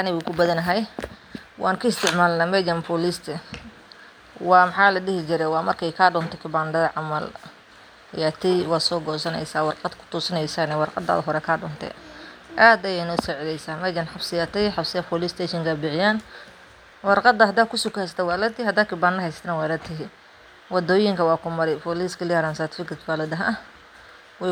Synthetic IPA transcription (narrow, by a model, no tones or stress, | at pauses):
anɪɣuːkʰʊbɐðɐnɐɦɛj | wʔɑːŋkʰɐɪst̪ʰɪʕmaːlnɐmɛɡɐnpʰɔlist̪ʰɛ | wɑːmɑħɑːlɐɗɪhɪt͡ʃɪɾɛwɑːmɐrkʰɛjkʰaːɖɔnt̪ʰɛkʰɪbaːnd̪ɐðɐʕɑmɐl | ɪ̰jat̪ʰɪwɑːd̪sɔːɡɔːsɐnɛ̰jsaːwɑrqɑd̪kʰʊ̥t̪ʰuːsɐnɛjsaːnɛwɑrqɑ̰d̪a̰ːðɦɔɾɛkʰaːɖɔ̰ːnt̪ʰɛ̰ʔaːd̪ɐjɛɪnɔːsɔːʕɪlɛjsaːmɐɡɐnħɑbsɪjat̪ʰɛħɑfsɪjɐfʰɔlɪst̪ʰɛːʃɪŋkʰɐbɪʕɪjaːn | wɑrqɑd̪ɐhɐd̪aːkʰʊsʊkhɛst̪ʰɛwɑːlɐt̪ɪhɐd̪aːkʰɪbaːnɐɦɛjst̪ʰnɐwaːlɐt̪ʰɪɦɪ | wɑd̪ɔːjɪŋkʰɐwɑːkʰʊmɐɾɛjpɔliskʰɐlɪjaːɾansaːt̪ɪ̥fɪkɪt̪baːlɐd̪ɐɦɐ | wɛ